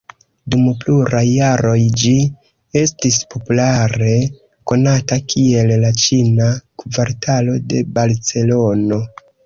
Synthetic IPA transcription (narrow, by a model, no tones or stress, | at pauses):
dumpluɾajːaɾo̞jd͡ʒi | e̞stispo̞pulaɾe̞ | ko̞natakʰie̞lːat͡ʃinakvaɾtalo̞de̞balt͡se̞lo̞no̞